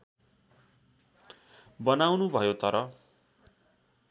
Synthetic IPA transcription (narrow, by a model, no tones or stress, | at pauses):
bʌnawnubʱʌjot̪ʌɾʌ